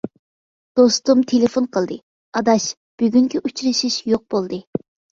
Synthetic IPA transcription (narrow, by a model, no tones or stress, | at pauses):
d̪̥ost̪umt̪ʰelɪfonqʰəlˠd̪ɨ | ɑd̪ɑʃ | b̥yɡʲyŋkʲiʔut͡ʃɾɨʃiʃjoq̚b̥olˠd̪ɨ